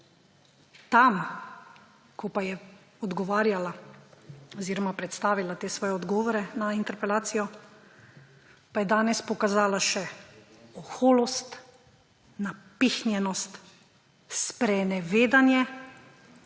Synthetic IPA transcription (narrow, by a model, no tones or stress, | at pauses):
t̪am | kʰɔpajɛ | ɔd̪ɡɔʋaːɾjala | ɔziːɾɔmapɾɛt̪st̪aːʋilat̪eːsʋɔːjɛɔd̪ɡɔːʋɔɾɛnaint̪ɛɾpɛlaːt̪sijɔ | pajɛd̪aːnɛspɔkazaːlaʃɛ | ɔxoːlɔst̪ | napixnjɛnɔst̪ | spɾɛnɛʋeːd̪anjɛ